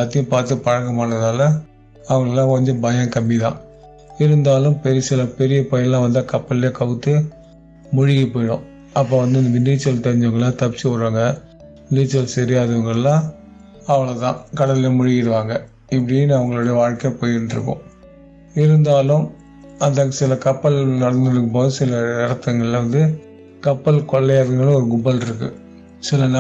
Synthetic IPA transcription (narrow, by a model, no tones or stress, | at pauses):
aːt̪ːɪjʊ̃paːɾt̪ɯpɐɻɐɣɐmaːnɐðaːlɐ | ɐʋɐŋɡɐɭɛlːãːkɔɲd͡ʒɔ̃bɐjɐ̃kɐmbiðã̰ː | ɪɾɯnd̪aːlɯmpɛɾɪɐsɪlɐpɛɾɪjɐpɐjɐlːãːʋɐnd̪akɐpːɐljekɐʋɯt̪ːɯ | mʊɻɪɣɐpoːjɽʊ̰̃ː | ɐpːoːʋɐnd̪ɯɪɐnd̪ɐʋɪniːt͡ʃɐlt̪ɛɾɪɲd͡ʒɐʋɐŋɡɐɭlãːt̪ɐpɪt͡ʃːɯɐɾʋaːŋɡɐ | ɪniːt͡ʃːɐlsɛɾɪjaːðɐʋɐŋɡɐɭɛlːãː | ɐʋɐɭɐt̪ã̰ːkɐɽɐlɪemʊɻɪjɪɾɯʋaːŋɡɐ | ɪpːɐɽɪjeːnɐʋɐŋɡɐɭoːɽɐjɐʋaːɻkejpoːjɪɾɯɳɖɪɾɯ̰kːõ̰ː | ɪɾɯnd̪aːlʊ̃m | ɐnd̪ɐkːɐsɪlɐkɐpːɐlnɐɽɐnd̪ɪɾɯkːɐpoːðɯsɪlɐɪɾɐt̪ːɐŋɡɐɭlʋɐnd̪ɯ | kɐpːɐlkɔɭːɐjaːɾɐŋɡɐɭɔɾɯɡʊbɐlɪɾɯkːɯ̰ | sɪlɐn